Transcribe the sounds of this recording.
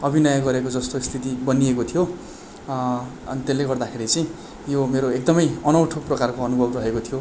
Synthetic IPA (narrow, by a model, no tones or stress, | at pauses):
ʌbʱinʌjʌɡʌɾekod͡zʌst̪ost̪ʰit̪ibʌniekot̪ʰijo | ʌ̰nit̪elːeɡʌrd̪akʰeɾit͡sʌj̃ | jomeɾoek̚d̪ʌmʌjʌnʌwʈʰoprʌkarkoʌnubʱʌbrʌɦekot̪ʰijo